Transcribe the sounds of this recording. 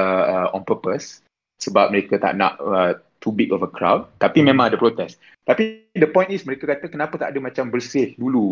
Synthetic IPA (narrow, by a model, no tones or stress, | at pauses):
əəɔ̃npəpəs | səbap̚məɾekat̪a̰ʔna̰ʔə | t̪ubikɔfəkʰɾa̰wd̚t̪apimẽmãŋadəpɾot̪ɛs | t̪apidəpɔ̃j̃nisməɾekakat̪əkənãpət̪aʔadəmat͡ʃambərsɪhdulu